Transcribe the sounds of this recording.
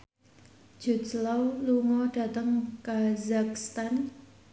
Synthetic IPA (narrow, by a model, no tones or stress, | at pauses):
d͡ʒ̥ṳtlawluŋɔɖ̥ä̤t̪əŋkazak̚st̪an